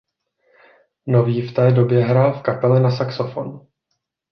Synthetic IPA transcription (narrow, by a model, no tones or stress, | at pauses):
no̞viːft̪ɛːdo̞bjɛɦɾaːlfkapɛlɪnasaksofonu